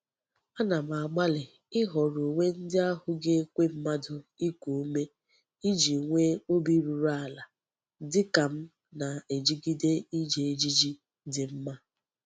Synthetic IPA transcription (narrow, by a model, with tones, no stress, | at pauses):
a˦na˨m˨a˨ɡ͡ba˦lɪ˨ | ɪ˦ɦɔ˨ɾu˨ŋʷe˦n̩˦dɪ˦a˦hʊ˨ɡe˦kʷe˦m̩˦ma˦dʊ˨i˦kʷu˨u˦me˦ | i˦d͡ʒi˨ŋʷe˦o˦bi˦ɾu˨ɾa˦˨la˨ | dɪ˦ka˨m̩˦ | na˨e˨d͡ʒi˦ɡi˦de˦i˦d͡ʒe˨e˦d͡ʒi˦d͡ʒi˦ | dɪ˨m̩˦ma˦